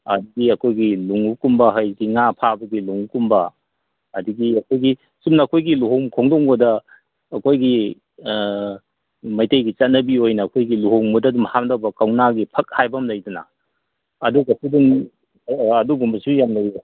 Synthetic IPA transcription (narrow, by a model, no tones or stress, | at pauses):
ɐ̰duɡiɐkʰojɡiluŋukumbɐɦɐjɡiŋapʰabɐɡiluŋukumbɐ | ɐduɡiɐkʰojɡi | sumnɐːkʰojɡiluɦomkʰoŋdoŋbudɐː | kʰojɡi | mɐjtejɡit͡ʃɐt̚nɐbiojnɐːkʰojɡiluɦoŋmudɐdumhamdɐbɐkawnaɡipʰɐk̚hajbɐmlɐjdunɐ̰ | ɐduɡɐsudun | ɐduɡumbɐsujamlɐje